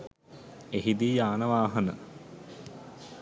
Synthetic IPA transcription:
eɦid̪iːjaːnəʋaːɦɐnə̰

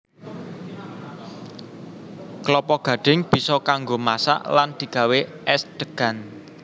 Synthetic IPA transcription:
klɔpɔɡ̥ä̤ɖ̥ɪ̤ŋb̥i̤sɔkaŋɡomasa̰ʔland̪̥i̤ɡ̥ä̤weʔɛsd̪̥əɡ̥a̤n

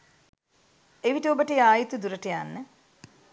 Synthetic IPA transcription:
eʋiʈəobəʈəjaːjit̪ud̪uɾəʈəjanːə

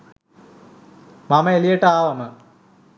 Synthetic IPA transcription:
mamɐelijeʈəaːʋɐmə

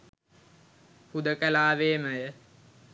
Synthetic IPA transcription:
hud̪əkəlaːʋeːməjə

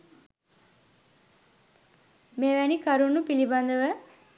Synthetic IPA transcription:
meːʋænikaɾunːupiliband̪əʋə

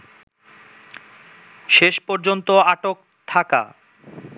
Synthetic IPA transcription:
ʃeʃpɔɾd͡ʑont̪oaʈok | t̪ʰaka̰

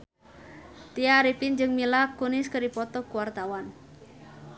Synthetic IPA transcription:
t̪iaɾipind͡ʒɨŋmilakunɪskəɾipɔt̪ɔkuwart̪awan

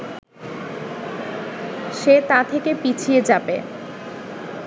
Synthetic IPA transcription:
ʃet̪at̪ʰekepit͡ɕʰied͡ʑabḛ

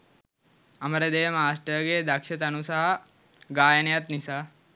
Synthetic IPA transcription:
ɐmɐɾed̪eːʋmaːsʈəɾɡeːd̪ɐkʃɐt̪ɐnusaɦ | ɡaːjɐnjɐt̪nisa

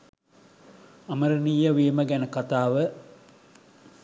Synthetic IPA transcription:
ɐməɾənijəʋiːməɡænəkat̪aːʋə

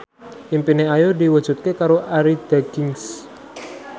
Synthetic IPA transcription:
ʔimpineajodiwə̥ʒ̥ṳt̪̚kekaɾoʔaɾid̪̥aɡ̥ɪŋs

